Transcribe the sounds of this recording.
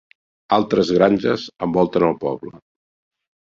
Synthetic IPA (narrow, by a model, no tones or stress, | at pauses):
alˠt̪ɾəzɣɾanʲʒəzəmbɔlˠt̪ənəlˠpɔβlə